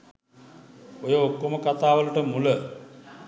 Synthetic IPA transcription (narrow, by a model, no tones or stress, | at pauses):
ojəokːoməkat̪aːʋəluʈəmulə